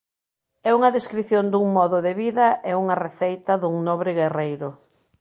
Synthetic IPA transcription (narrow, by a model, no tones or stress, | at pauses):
ɛuŋɐðeskɾiθjond̪uŋmɔðʊðeβiðɐʔɛuŋɐreθejt̪ɐðuŋnoβɾɪɣerejɾʊ